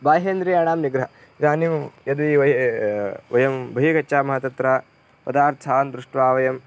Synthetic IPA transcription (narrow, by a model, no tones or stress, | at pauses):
baːɦeːnd̪ɾiːaːɳaːmniɡɾɐɦɐ | ɾaːnimjɐd̪iʋɐ | ʋɐjɐmbʱɐɦikɐt͡ʃːt͡ʃaːmɐɦɐt̪ɐt̪ɾaː | pɐd̪aːɾt̪ʰaːnd̪ɾuʂʈʋaːʋɐjɐm